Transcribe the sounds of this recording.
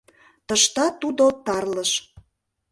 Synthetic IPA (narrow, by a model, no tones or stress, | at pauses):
t̪ə̆ʃt̪ɑt̪ud̪ot̪ɑrləʃ